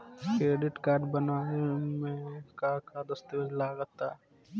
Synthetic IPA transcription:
kɾeːɖɪʈkaːɾɖbɐnaːmẽkakad̪ɐst̪eʋəd͡ʒlaːɡət̪a

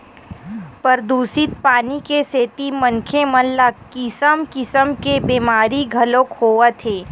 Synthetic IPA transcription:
pəɾd̪uːsɪt̪̚paːnikeseːt̪imɐ̃ŋkʰemɐllakɪsəmkɪsəmkebeːmaːɾiɡʱɐlokʰoːət̪ʰeː

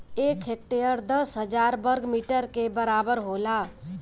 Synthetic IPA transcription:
ekʰek̚ʈeəɾd̪əsɦəd͡ʒaɾbəɾɡmiʈəɾkebəɾabəɾɦola

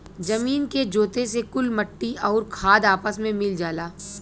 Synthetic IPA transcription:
d͡ʒɐmiːnked͡ʒoːt̪esekʊlmɐʈːiɔːɾkʰaːd̪aːpəsmẽmɪld͡ʒaːlaː

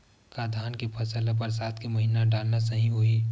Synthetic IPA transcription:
kad̪ʱaːnkepʰɐsəlep̬ɐɾs̬aːt̪kemɐɦiːnaɖaːlnasɐɦĩɦui

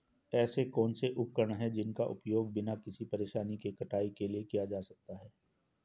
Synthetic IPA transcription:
ɛːsekɔːnseʔʊp̚kəɾɳɦɛd͡ʒɪnkaʔʊ̰pjoːɡ̚bɪnakɪsipɐɾeːʃaːnikekɐʈaːikeliekijad͡ʒaːsɐk̚t̪aɦɛː

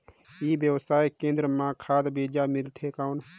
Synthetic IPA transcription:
iːbjəwsaːikẽːnd̪ɾəmãkʰaːd̪beːd͡ʒamɪlt̪ʰekaʊn

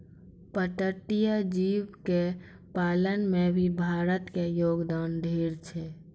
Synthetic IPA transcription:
pəʈəʈijad͡ʒiːwke | paːlənmẽbʱibʱaːɾət̪kejoːɡd̪aːnd̪ʱeːɾt͡ʃʰɛ

